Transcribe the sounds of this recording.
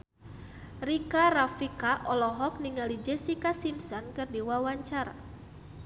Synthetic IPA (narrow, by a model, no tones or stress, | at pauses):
rikaɾafikaʔɔlɔɦɔk̚niŋalid͡ʒɛsikasimsɔnkɨrdiwawaɲt͡ʃaɾa̰